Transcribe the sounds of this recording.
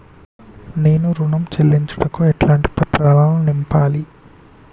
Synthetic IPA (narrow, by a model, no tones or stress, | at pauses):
ne̞ːnuɾuɳɐmt͡ʃelːiɲt͡ʃɐ̥ɽɐkuɛʈlaːɳʈi̥pɐt̪ɾaːlaːlunimpaːli